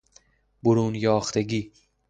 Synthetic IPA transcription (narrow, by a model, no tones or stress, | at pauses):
bʊɾuːnjɒːxt̪ʰeɡiː